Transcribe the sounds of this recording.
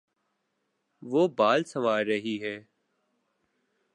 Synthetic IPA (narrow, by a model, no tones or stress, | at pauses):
ʋoːbaːlsəʋaːɾəɦiːɦɛː